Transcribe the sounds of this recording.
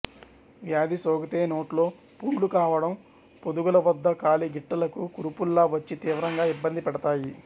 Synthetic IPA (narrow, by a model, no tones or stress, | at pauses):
ʋjaːd̪isɔːɡɐt̪eːno̞ːʈlo̞ː | puːlukaːʋɐɽɐm | pod̪uɡulɐʋɐd̪ːɐkaːliɡiʈːɐlɐkukuɾupulːaːʋɐt͡ʃːit̪iːʋɐɾɐŋɡaːibːɐnd̪ipɛɽɐt̪aːji